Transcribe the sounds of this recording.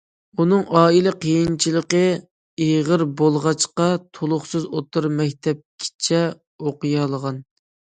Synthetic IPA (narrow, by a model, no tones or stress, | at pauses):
unɨŋʔɑːilɛqʰəjint͡ʃʰilˠəqə | eʁəɾbolˠʁɑt͡ʃqɑt̪ʰolˠʊχsɨzot̪ɨɾmɛkʲt̪ʰɛp̚kʲʰi̥t͡ʃʰɛ | oqɨjɑlˠəʁɑn